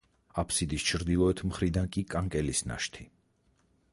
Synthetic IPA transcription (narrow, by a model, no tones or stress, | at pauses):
apʰsid̪ist͡ʃʰɾd̪ilˠɔɛt̪ʰmχɾid̪ankʼikʼaŋkʼɛlisna̰ʃt̪ʰi